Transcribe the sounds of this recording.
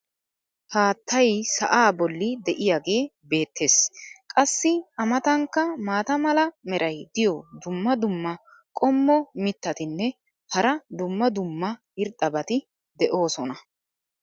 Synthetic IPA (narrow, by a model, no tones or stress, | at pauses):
haːt̪ʰːɐjsɐ̰ʔaːbɔlːɪd̪ɛʔɪjaːɡe̞ːbe̞ːt̪ːe̞ːskʼɐsːɪɐmɐt̪ɐŋkːɐmaːt̪ɐmɐlɐmɛɾʔɐjd̪ɪjɔd̪ʊmːɐd̪ʊmːɐ | kʼɔmːɔmɪt̪ːɐt̪ɪnːɛ | hɐɾɐd̪ʊmːɐd̪ʊmːɐ | ɪɾt̪ʼːɐbɐt̪ɪ | d̪ɛʔo̞ːsɔnɐ